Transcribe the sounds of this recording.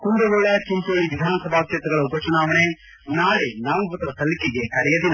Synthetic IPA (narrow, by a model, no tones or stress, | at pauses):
kund̪ɐʋoɭɐt͡ʃint̪oːɭiʋid̪ʱaːnɐsɐbʱaːkjɐt̪ɐɡɐɭɐupɐt͡ʃunaːʋɐne | naːɾenaːʋubɐt̪ɐɐsɐlikiɡekɐɽɛjɐd̪in